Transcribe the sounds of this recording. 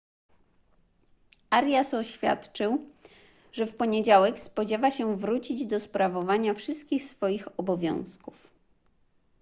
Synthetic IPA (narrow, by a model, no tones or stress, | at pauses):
ʔaɾjasɔɕfʲja̰t̪t͡ʂɘw | ʐɛfpɔɲed͡ʑawɛkspɔd͡ʑɛvaɕɛvɾut͡ɕid͡ʑd̪ɔspɾavɔvaɲafʂɘst̪kʲixsfɔjixɔbɔvʲjɔ̰̃w̃skuf